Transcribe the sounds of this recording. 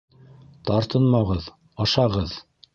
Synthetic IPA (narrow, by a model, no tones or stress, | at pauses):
t̪ɑɾt̪ɤnmɑʁɤð | ɑʃɑʁɤð